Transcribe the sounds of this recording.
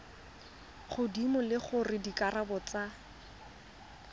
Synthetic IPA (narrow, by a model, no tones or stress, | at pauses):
χʊdimʊlɪχʊrɪdikʼarabɔt͡sa